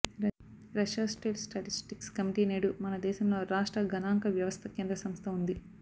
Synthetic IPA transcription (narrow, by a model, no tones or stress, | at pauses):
ɾɐʃaːsʈeːʈsʈɐʈisʈikskɐmiʈiːneːɽumɐnɐd̪ɛːʃɐmlo̞ːɾaːʂʈɾɐɡʱɐnaːŋkɐʋjɐʋɐst̪ʰɐkeːnd̪ɾɐsɐmst̪ʰɐund̪i